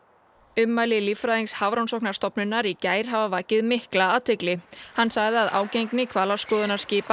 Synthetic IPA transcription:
ʏmːajlɪlifɾajðinshavɾawnsɔwknḁst̪ɔpnʏnːaɾicaːjɾ̥ɦavavaːcɪðmɪhklaːðt̪ʰɪklɪhanːsaɣðɪaðʔa̰ːwcejŋknɪkʰvaːlḁskɔːðʏnḁscɪːpa

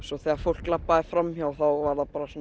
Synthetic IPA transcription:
sɔθɛaɾfowl̥klapːaðɪfɾamːçawθawvaɾðapaːɾasɔn

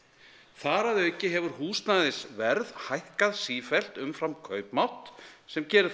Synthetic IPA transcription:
θaːɾaðœːɥcɪɦɛvʏɾhuːst̪naðɪsvɛɾðhajhkaðsiːfɛl̥t̪ʏmfɾamkʰœːɥpmawht̪sɛmcɛːɾɪ

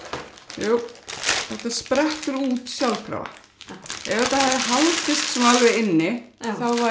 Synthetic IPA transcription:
juːθɛht̪aspɾɛht̪ʏɾuːt̪sjawlkɾa̰va̰ | ɛvɛt̪ahɛðɪɦalt̪ɪst̪smaɣɪɪnːɪθawva

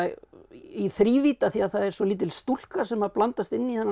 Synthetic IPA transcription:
iθɾiːviːt̪aθiaðθaðɛɾ̥sɔliːt̪̬ɪlst̪ul̥kasɛmaðplant̪ast̪ɪnːiθɛnː

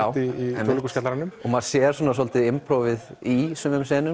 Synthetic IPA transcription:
awiɛlɪkscat̪laɾanʏmɔmaðsjɛːɾ̥sɔːnasɔlt̪ɪðɪmpɾowvɪðisʏmɛmsɛːnʏ

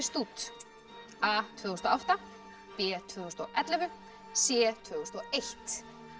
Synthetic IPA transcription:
st̪uːt̪ | aːt̪ʰvʏːhust̪ɔawht̪a | pɛːt̪ʰvʏːhust̪ɔʔɛt̪lɛvʏ | sjɛːt̪ʰvʏːust̪ɔejht̪

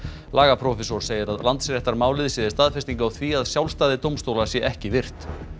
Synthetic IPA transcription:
laːɣapʰɾɔfɛsɔɾ̥seːjɪɾaðlant̪sɾjɛht̪aɾmaːwlɪðsɪːðɪst̪aːðfɛst̪iŋkawθʰviaðsjawlst̪aːðɪt̪owmst̪oːwlḁsjɛʔɛhcɪvɪr̥t̪

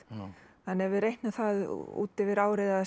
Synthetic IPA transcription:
ɛnɛvɪɾejht̪naθað̰ṵːt̪ɛvɪɾaːwɾeða

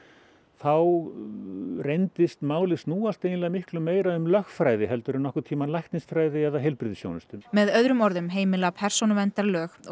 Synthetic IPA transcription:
θaw | rejnt̪ɪst̪maːwlɪsnuːast̪ejnlaɣamɪhklʏmːeːjɾaʏmlœxtfɾaːjðɪɦɛlt̪ʏɾʏnɔhkʏ̥ɾt̪ʰiːmanlajht̪nɪst̪fɾaːjðɪɛðaɦejlpɾɪðɪsjo̰ːwnʏst̪ʏnmɛðœðɾʏmɔɾðʏmɦeːjmɪlapʰɛr̥sownʏvɛnt̪aɾlœːx

